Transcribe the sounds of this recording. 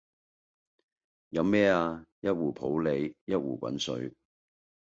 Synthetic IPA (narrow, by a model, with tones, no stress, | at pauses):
jɐ˨˧wmɛː˥aː˧jɐ˥t̚wuː˨˩pʰo˨˥wle˨jjɐ˥t̚wuː˨˩kʷɐ̰˨˥nsɵ̰˨˥ɥ